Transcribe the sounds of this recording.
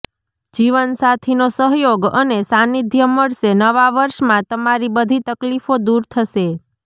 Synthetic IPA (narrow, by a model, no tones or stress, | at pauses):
d͡ʒiʋənsat̪ʰinosəɦjoɡə̰nesanid̪ʱjəməɭʃenəʋaʋəɾʃmãt̪əmaɾibəd̪ʱit̪əklifod̪uɾt̪ʰəʃe